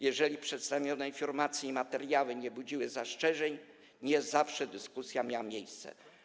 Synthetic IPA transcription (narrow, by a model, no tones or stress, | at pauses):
jɛʐɛlʲipʂɛt̪st̪avʲjɔnɛifʲɔɾmat̪sʲjiːmat̪ɛɾjawɘɲɛbud͡ʑiwɘzaʂt͡ʂɛʐɛɲ | ɲɛzafʂɛd̪ɘskusʲjamʲjawamʲjejst̪sɛ̰